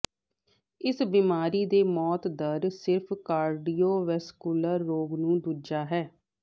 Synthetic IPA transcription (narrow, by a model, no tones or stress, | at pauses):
ɪsbimaːɾiːd̪eːmɔːt̪d̪əɾsɪɾpʰkaːɾɖiːoːʋɛːskuːləɾːoːɡnũːd̪ud͡ʒaːɦɛː